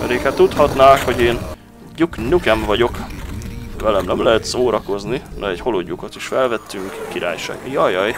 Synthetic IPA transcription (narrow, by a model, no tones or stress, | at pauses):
mɛ̰ɾeːkhɛt̪ːut̪hɒt̪naːkho̞ɟeːn | ɟuknykɛɱvɒɟo̞k | vɛlɛmnɛmlɛɦɛt̪soːɾɒko̞zninɛɛcho̞loɟːukot̪iʃfɛlvɛt̪ːyŋkkiɾʔa̰ːjʃa̰ːɡmijɒjɒj